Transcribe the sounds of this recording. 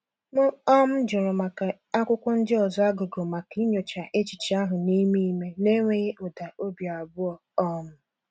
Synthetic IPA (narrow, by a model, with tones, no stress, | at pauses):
mʊ˦ɔ˦m̩˦d͡ʒʊ˨ɾʊ˨ma˨ka˨ | a˦kʷʊ˦kʷʊ˦n̩˦dɪ˦ɔ˨zɔ˦a˦ɡʊ˨ɡo˨ma˨ki˦ɲo˨t͡ʃa˨ʔe˦t͡ʃi˨t͡ʃi˦a˦ɦʊ˨ni˦mi˦i˦me˦ne˦ŋʷe˦ɣe˦ʔʊ˨da˨o˦bja˨a˨bʊ˦ɔ˨ɔ˦m̩˦